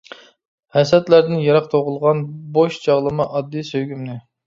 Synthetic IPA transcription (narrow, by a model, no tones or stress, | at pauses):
hɛsɛt̪læɾd̪ɪnjɑɾɑqt̪ʰoʁʊlˠʁɑnboʃd͡ʒɑʁlˠɨmɑʔɑd̪ːijsøjɡʲymnɪ